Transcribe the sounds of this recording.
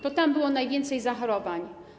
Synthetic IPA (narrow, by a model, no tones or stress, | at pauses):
t̪ɔt̪ambɘwɔnajvʲjɛnt̪sɛjzaxɔɾɔvaɲ